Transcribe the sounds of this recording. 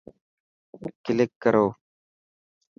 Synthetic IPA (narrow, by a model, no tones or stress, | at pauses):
kɪlɪkːəɾʔoː